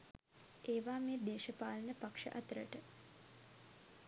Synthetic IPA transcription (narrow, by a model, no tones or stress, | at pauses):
eːʋaːmeːd̪eːʃəpaːlənəpakʂə̰ʔɐt̪ɾəʈə